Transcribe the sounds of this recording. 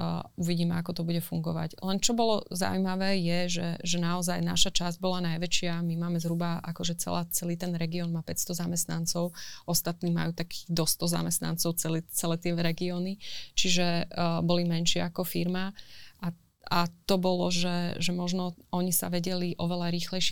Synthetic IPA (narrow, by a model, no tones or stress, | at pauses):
uʋiɟiːmɛakɔt̪ɔbuɟɛfuŋɡɔʋa̰ɟlɛnt͡ʃɔbɔlɔ̰za̰wuimaʋɛːjɛʒɛ̰ʒɛnaɔzajna̰ʃat͡ʃazɟ̚bɔlanajʋɛt͡ʃɪamimaːmɛzɦɾubaʔakɔʒɛt͡sɛ̰lat͡sɛliːt̪ɛnɾɛɡiɔːnmaːpɛcst̪ɔzamɛst̪nant͡sɔʊɔst̪at̪niːma̰juːt̪akʰi̥d̪ɔst̪ɔza̰mɛst̪na̰nt͡sɔʊt͡sɛlit͡sɛlɛːt̪ɪɛɾɛɡiɔːnit͡ʃiʒɛbɔlimɛnʃɪɛakɔfiɾmaa | at̪ɔbɔlɔʒɛʒɛmɔʒnɔɔɲisa̰ʋɛɟɛliʔɔʋɛlaɾiːxlɛjʃ